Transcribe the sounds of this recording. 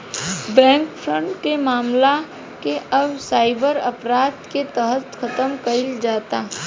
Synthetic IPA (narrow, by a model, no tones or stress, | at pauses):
bɛ̃ːŋkfʰɾə̃ɳʈkemaːmla | keʔɐbsaːɪbəɾɐpɾaːd̪ket̪əɦət̪xɐt̪əmkɐɪld͡ʒaːt̪a